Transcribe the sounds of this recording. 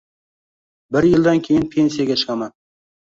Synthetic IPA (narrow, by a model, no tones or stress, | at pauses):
bɪɾjɪlˠd̪ankʲʰejɪnpʰe̞nsijaɡʲat͡ʃʰɨ̥qʰɑman